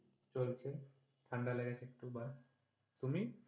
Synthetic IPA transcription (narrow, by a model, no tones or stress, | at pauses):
t͡ɕolt͡ɕʰe | ʈʰaɳɖaleɡet͡ɕek̚ʈubas | t̪umi